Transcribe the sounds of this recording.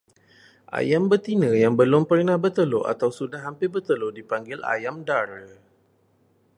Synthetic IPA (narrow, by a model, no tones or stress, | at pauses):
ʔa̰jambət̪inə̃jaŋbəlʊmpərnahbət̪əloa̰t̪awsudaɦampɪbərt̪əlodipaŋɡɪla̰jamdaɾə